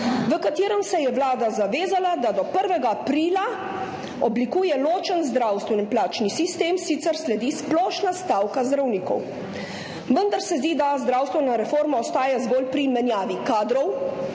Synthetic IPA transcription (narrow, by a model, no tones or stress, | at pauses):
ʋəkat̪iːɾəmsɛjɛwlaːd̪azaʋeːzalad̪ad̪ɔpəɾʋɛɡaːpɾiːla | ɔblikuːjɛloːt͡ʃənzd̪ɾawst̪ʋɛnimplaːt͡ʃnisist̪eːmsit̪sɛɾslɛd̪isplɔːʃnast̪aːwkazd̪ɾawniːkɔ̰w | ʋənd̪aɾsɛzd̪id̪azd̪ɾaːwst̪ʋɛnaɾɛfoːɾmaɔst̪aːjazɡoːlpɾimɛnjaːʋikaːd̪ɾɔw